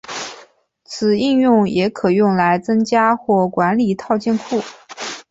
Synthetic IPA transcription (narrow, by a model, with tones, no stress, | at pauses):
t͡sʰɹ̩˨˩i˥˧njʊ˥˩˧ŋjɛ˧˥kʰɤ˨˩jʊ˥˩ŋla˧˥ɪt͡sɤ˥ŋt͡ɕja˥xwɔ˥˩kwa˧˥nli˨˩t̪ʰɑ˥˧ʊt͡ɕjɛ˥˧nkʰu˥˩